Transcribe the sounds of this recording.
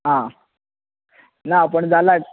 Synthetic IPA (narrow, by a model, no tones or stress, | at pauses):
ɦã | napəɳd͡zala